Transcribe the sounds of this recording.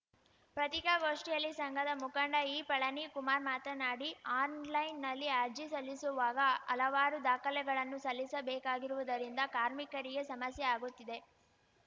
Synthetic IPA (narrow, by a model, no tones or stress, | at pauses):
pɾɐt̪ikɐɡo̞ːʂʈijɐlːisɐŋɡʱɐd̪ɐmukɐɳɖɐiːpɐɭɐnikumaːɾmaːt̪ɐnaːɽiaːnlɐjnːɐlːiaːɾd͡ʒisɐlːisuʋaːɡɐɐlɐʋaːɾud̪aːkɐlɛɡɐɭɐnːusɐlːisɐbɛːkaːɡiɾuʋɐd̪ɐɾind̪ɐkaːɾmikɐɾiɡe̞sɐmɐsjɛaːɡut̪ːid̪e̞